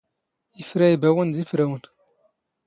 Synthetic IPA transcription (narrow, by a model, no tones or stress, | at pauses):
ifɾæibæwənzifɾæwən